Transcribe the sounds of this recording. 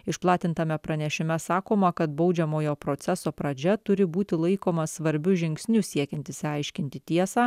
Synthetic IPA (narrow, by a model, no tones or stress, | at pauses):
ɪʃplˠɑːt̪ʲɪnt̪ɐmʲɛpɾɐnʲɛʃʲɪmʲɛsɑːkoːmɐkɐt̪bɒʊd͡ʒʲɛmoːjoːpɾoːt̪sʲɛsoːpɾɐd͡ʒʲɛt̪ʊɾʲɪbuːt̪ʲɪlˠɐɪkoːmɐsʋɐɾʲbʲʊʒʲɪŋʲksʲnʲusʲiɛkʲɛnʲt̪ʲɪsʲɐɪʃʲkʲɪnʲt̪ʲɪt̪ʲiɛsɑː